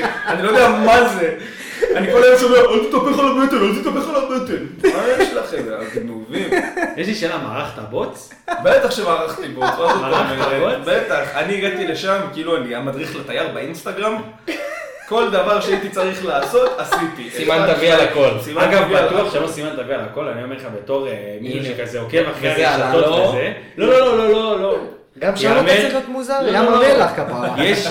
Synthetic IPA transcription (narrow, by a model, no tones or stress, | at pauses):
anilod̪eamaze | anikolajomʃameaʔolt̪it̪apeχalabet̪elolt̪it̪apeχalabet̪elmajeʃelaχemzea̰ɡ̪nuvimjeʃliʃelama̰ːʁaχt̪abo̞t͡s | bet̪aχʃemaːʁaχt̪ibot͡svazoaameaeobet̪aχaniːɡadt̪ileʃamkiiːluaniamad̪ʁiχlet̪ajaʁbeinst̪aɡʁam | ko̞ld̪avaʁʃeait̪it͡saʁiχlaːso̞t̪asit̪iʔesiant̪avialako̞lsimaaɡavvibaat̪uaχʃelosimant̪avialako̞laniomelχabet̪o̞ʁemiʃuʃekazeokevaχeaʃatoaze | lo̞lololo̞lolo | ɡamʃmot̪muzaʁaelakapajɛʃ